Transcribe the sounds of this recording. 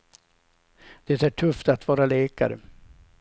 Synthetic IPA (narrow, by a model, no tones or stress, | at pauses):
d̪̥ɛt̪æːʈʰɵft̪at̪vɑːɾaleːka̰ɾə